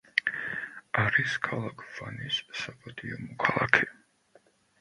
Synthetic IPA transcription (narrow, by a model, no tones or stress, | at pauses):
aɾiskʰalˠakʰv̥anisːapʼad̪ʰʼiɔmɔkʰalˠa̰kʰɛ̥